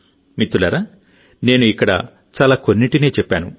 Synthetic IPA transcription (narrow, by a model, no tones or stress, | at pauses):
mit̪ːulaːɾaː | ne̞ːnuikːɐɽɐ̰ | t͡ʃaːlaːkonːiʈine̞ːt͡ʃɛpːaːnu